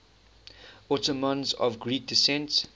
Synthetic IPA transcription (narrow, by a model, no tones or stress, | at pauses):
ɔtəmɔ̃nzɔ̰vɡɹiːk̚disɛ̃nt